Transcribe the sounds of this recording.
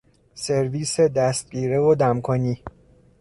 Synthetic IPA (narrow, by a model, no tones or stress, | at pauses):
seɾviːsed̪æst̪̚ɟiːɾevod̪æmkʰoniː